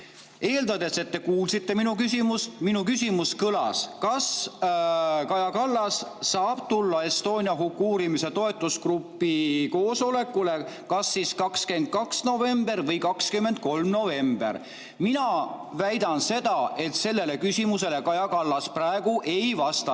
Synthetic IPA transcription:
e̞ːld̪ɑd̪e̞se̞t̪ːe̞kuːlsit̪ːe̞minukysʲimusminukysʲimuskɤlɑ̰skɑs | kɑjɑkɑlːɑsːɑːb̥̚t̪ulːɑe̞st̪o̞ːnʲiɑɦukːˑuːɾimise̞t̪o̞e̞t̪ːˑuskrupːiko̞ːso̞le̞kːule̞ | kɑsːiskɑkske̞nd̪̥̚kɑksno̞ve̞mb̥e̞rvɤjkɑkskymːe̞nd̪̥̚ko̞lmno̞ve̞mb̥ḛr | minɑvæjd̪ɑnse̞d̪̥ɑe̞t̪se̞lːe̞le̞kysʲimuse̞le̞kɑjɑkɑlːɑspræe̞ɡ̥uʔe̞jvɑst̪ɑ

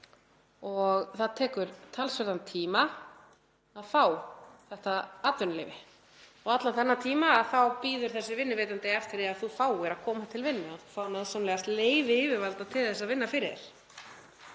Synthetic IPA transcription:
ɔɣθaðt̪ʰɛːkʏɾt̪ʰalsvɛɾt̪ant̪ʰiːma | aðfaːwθɛht̪aaːt̪vʏnlḛjvɪ | ɔɣat̪lanθanːat̪ʰiːmaːðθawpiːðʏɾ̥θɛsːɪvɪnːɪvejt̪ant̪ejaft̪ɪɾɪaðθufaːwɪɾaðkʰɔːmat̪ʰɪlvɪnːʏaðθufaːwnaðsanlɛɣast̪leːjvɪɪːvɪvalt̪at̪ʰɪlθɛsaðvɪnːafɪɾɪðɪ̰ɾ̥

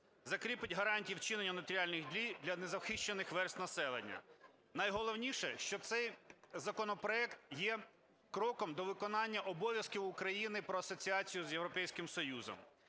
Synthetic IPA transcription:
zɐkɾʲipɪtʲɦɐɾɑnʲtʲijiwt͡ʃɪnenʲːɐnɐt̪ɾʲɪɑlʲnɪɣd̪ʲlʲijd̪ʲlʲɐnezɐwxiʃt͡ʃenɪxʋɛrsʲt̪nɐsɛlˠḛnʲːɐ̰ | nɐjɦɔlˠɔwnʲiʃɛʃt͡ʃɔt̪sɛjzɐkɔnɔpɾɔɛkt̪jɛ | kɾɔkɔmd̪ɔʋɪkɔnɑnʲːɐʔɔbɔʋʲjɐskʲiwʊkɾɐjinɪpɾɔɐsɔt͡sʲiɑt͡sʲijʊzjewɾɔpɛjsʲkɪmsɔjuzɔ̰m

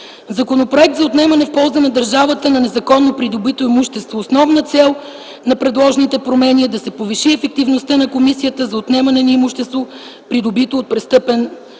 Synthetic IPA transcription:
zɐkonopɾoɛk̚t̪zɐot̪nɛmɐnɛfpɔlˠzɐnɐd̪ɐɾʒavət̪ənɐnɛzɐkɔnːopɾid̪obit̪oimuʃt̪ɛst̪voːsnɔvnət̪sɛlˠ | nɐpɾɛd̪lˠɔʒnit̪ɛpɾomɛniəd̪ɐsɛpoviʃiɛfɛk̚t̪ivnost̪ənɐkomisijət̪əzɐot̪nɛmɐnɛniimuʃt̪ɛst̪vo | pɾid̪obit̪oːt̪̚pɾɛst̪ɤpɛn

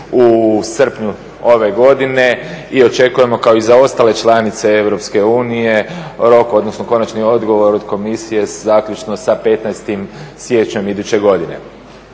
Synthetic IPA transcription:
usr̩pɲu | o̞ʋe̞ɡo̞d̪ine̞io̞t͡ʃe̞kuje̞mo̞kao̞izao̞st̪aːle̞t͡ʃlˠanit̪se̞e̞ʋɾo̞pske̞uːnije̞ɾo̞ko̞d̪nosno̞ko̞nat͡ʃnio̞d̪ɡo̞ʋo̞ɾod̪ko̞misije̞zaːkʎʲut͡ʃno̞sape̞t̪najst̪imsje̞t͡ɕɲomid̪ut͡ɕe̞ɡo̞d̪ine̞̰

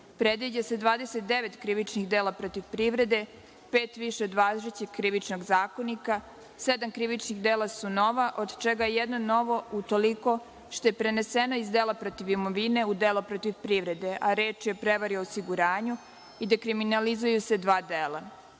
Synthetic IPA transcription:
pɾed̪ʋid͡ʑase̞d̪ʋaːd̪eset̪̚d̪eʋet̪kɾiʋit͡ʃnixd̪eːlapɾot̪iʋpɾiʋɾe̞d̪e̞ | peːt̪ʋiʃeo̞d̪ʋazɾet͡ɕekkːɾiʋit͡ʃno̞ɡzaːko̞nika | sed̪amkɾiʋit͡ʃnixd̪eːlˠasuno̞ʋaʔod̪t͡ʃeɡajejed̪no̞no̞ʋo̞ut̪o̞liko̞ | ʃt̪o̞jepɾeneseno̞izd̪eːlˠapɾot̪iʋimo̞ʋine̞ud̪eːlapɾot̪iʋpɾiʋɾe̞d̪e̞ʔaɾe̞ːt͡ʃjepɾe̞ʋaɾioːsiɡuɾaːɲu | id̪ekɾiminalizujuse̞d̪ʋaːd̪eːla

